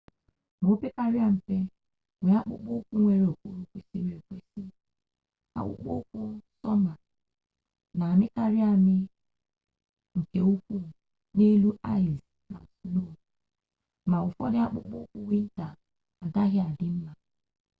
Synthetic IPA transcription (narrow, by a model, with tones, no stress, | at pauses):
mo˦pe˦ka˦ɾɪ˦a˦m̩˨pe˦ | wʷe˨a˦k͡pʊ̰˦k͡po˦kʷu˦ŋʷe˦˨ɾe˨o˨ku˦ɾu˦kʷi˦si˦ɾe˨kʷe˦si˦ | a̰˨k͡pʊ̰˦k͡po̰˦kʷʊ˦sɔ˦ma˨ | na˨a˨mɪ˦ka˦ɾɪ˦a˦mɪ˦ | ŋ̩˨ke˨u˦kʷu˦˨ | ne˦lu˦a˦ɪ˨z | na̰˨slo˦˨ | ma˨ʊ˨fɔ˦dɪ˦a˦k͡pʊ̰˦k͡po˦kʷu˦wi˦n̩˦ta˨ | a˨ɡa˦ɦɪ˦a˨dɪ˦m̩˦ma˨